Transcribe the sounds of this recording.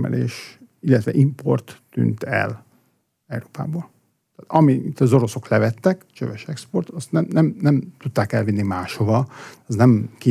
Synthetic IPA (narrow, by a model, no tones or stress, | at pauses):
mɛ̰lʔḛːʃ | ilːɛt̪ʋɛʔimpo̞̰rt̪ːy̰ːnt̪ɛ̰l | ɛwɾoːpa̰ːboːl | t̪aːt̪ɒmiit̪ːɒzo̞ɾo̞so̞klɛvɛt̪ːɛkt͡ʃø̰vɛʃɛkspo̞rt̪ɒst̪nɛmnɛmnɛmt̪ut̪ːaːkɛlvinːimaːʃhovɒɒznɛmki